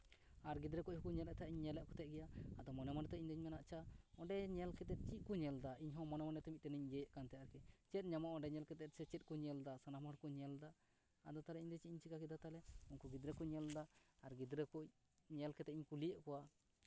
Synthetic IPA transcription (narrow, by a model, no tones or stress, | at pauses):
aɾɡid̪ɾɛkuʔhukuɲɛlɛʔt̪ʰaiɲɲɛlɛʔkɔt̪ɛʔ̚ɡɛjaːd̪ɔmɔnɛmaɖɛt̪ɛiɲd̪ɛɲmɛnaʔt͡ʃaɔɳɖɛɲɛlkɛt̪ɛt̪̚t͡ʃiʔ̪̚kuɲɛld̪aiɲɦɔ̃mɔnɛmanɛt̪ɛmit̪̚ʈɛnɛɲd͡ʒɛjɛʔkant̪ɛaɾkɛt͡ʃɛt̪̚ˀɲamaʔɔɳɖɛɲɛlkɛt̪ɛt̪̚sɛt͡ʃɛt̪̚kɔɲɛld̪asanamaɽkɔɲɛld̪aː | d̪ɔt̪alɛʔiɲd̪ɛt͡ʃiʔiɲt͡ʃikakɛd̪at̪alɛunkuɡid̪ɾɛkuɲɛld̪aaɾɡid̪ɾɛkuc | ɲɛlkɛt̪ɛt̪iɲkulijəʔkɔwa